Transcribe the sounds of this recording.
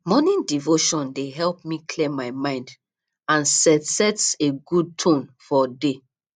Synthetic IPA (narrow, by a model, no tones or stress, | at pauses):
mɔnĩndivoʃɔ̃ndeɦɛlp̚mikʰlemaɪmãɪ̃nd | ãnsɛtsɛtseɡud̚tʰõnfɔde